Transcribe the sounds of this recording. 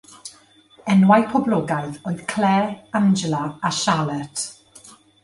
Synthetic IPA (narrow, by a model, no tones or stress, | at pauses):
ɛnwajpʰɔblɔɡajθoːɨð̥kʰl̥ɛːand͡ʒɛlaaʃalˠɛtʰ